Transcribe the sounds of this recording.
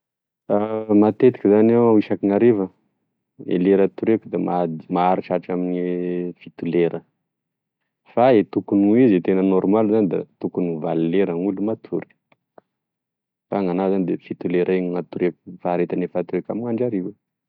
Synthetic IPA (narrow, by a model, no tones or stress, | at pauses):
amat̪et̪i̥kʲizaneaiʃakiŋaɾevə | ḛleɾat̪uɾekud̪amad̪imaaɾiʈ͡ʂaʈ͡ʂaminfit̪uleɾʔə | faet̪ukunuizet̪enənɔrmalzanid̪a̰t̪ukunuvaluːeɾaŋulumat̪ʰuɾi̥ | faŋanazanid̪efit̪uleɾʔeŋŋat̪uɾekʲu̥faɾet̪anefat̪uekamiŋaɳɖ͡ʐaɾie